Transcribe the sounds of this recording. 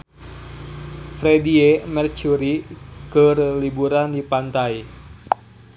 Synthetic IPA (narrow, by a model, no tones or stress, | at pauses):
fɾediemɛrt͡ʃuɾikərlibuɾandipant̪aj